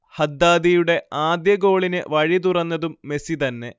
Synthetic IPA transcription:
hɐd̪ːaːd̪ijuɽe̞aːd̪jɐɡo̞ːɭinɨʋɐɻit̪̬urɐnːɐðumːe̞sit̪ɐnːe̞

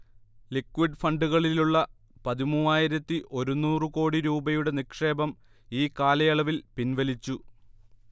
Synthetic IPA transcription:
likːʋiɖfɐɳɖuɣɐɭiluɭːɐ | pɐðimuːaːjiɾɐt̪ːiʔo̞ɾunːuːrɨko̞ːɽiɾuːbɐjuɽe̞nikʂe̞ːbɐm | iːkaːlɐjɐɭɐʋilpinʋɐlit͡ɕːu

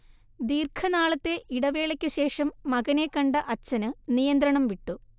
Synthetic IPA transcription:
d̪iːrkʰɐnaːɭɐt̪ːe̞ʔiɽɐʋe̞ːɭɐkʲːuɕe̞ːʂɐmːɐɣɐnekːɐɳɖɐʔɐt͡ɕːɐnɨnijɐnd̪ɾɐɳɐmʋiʈːu

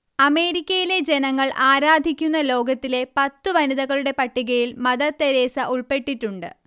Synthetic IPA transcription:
ɐme̞ːɾikʲːɐjile̞d͡ʑe̞nɐŋːɐɭʔaːɾaːd̪ʱikʲːunːɐlo̞ːɡɐt̪ːile̞pɐt̪ːɨʋɐniðɐɣɐɭuɽe̞pɐʈːiɣɐjilmɐðɐt̪ːeɾe̞ːsɐʔuɭpe̞ʈːiʈːuɳɖɨ̰

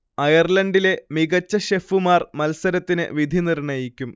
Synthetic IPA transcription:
ɐjɐrlɐɳɖile̞miɣɐt͡ɕːɐɕefumaːrmɐlsɐɾɐt̪ːinɨ̰ʋid̪ʱinirɳɐjikʲːum

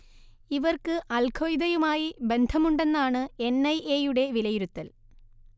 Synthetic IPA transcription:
iʋɐrkɨʔɐlkʰojd̪ɐjumaːjibe̞nd̪ʱɐmuɳɖe̞nːaːɳɨe̞nɐjejuɽe̞ʋilɐjiɾut̪ːɐl

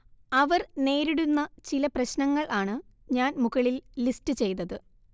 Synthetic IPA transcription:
ɐʋɐrne̞ːɾiɽunːɐt͡ɕilɐprɐɕnɐŋːɐɭʔaːɳɨɲaːnmuɣɐɭilːistɨt͡ɕe̞jnɐðɨ

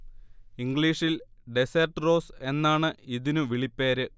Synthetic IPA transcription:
iŋɡɭiːʂilɖesɐrʈɨro̞ːse̞nːaːɳɨiðinuʋiɭipːeːɾɨ

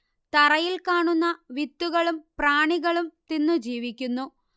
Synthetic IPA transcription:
t̪ɐrɐjilkaːɳunːɐʋit̪ːuɣɐɭumpraːɳiɣɐɭumt̪inːud͡ʑiːʋikʲːunːu

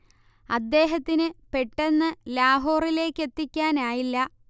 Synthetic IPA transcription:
ɐd̪ːe̞ːɦɐt̪ːinɨpe̞ʈːe̞nːɨlaːɦo̞ːrile̞ːkːe̞t̪ːikʲːaːnaːjilːɐ

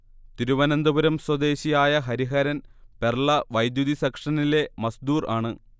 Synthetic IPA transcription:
t̪iɾuʋɐnɐnd̪ɐbuɾɐmswɐd̪e̞ːɕijaːjɐɦɐɾiɦɐɾɐnperɭɐʋɐjd̪jud̪isɐkʂɐnile̞mɐsd̪uːraːɳɨ

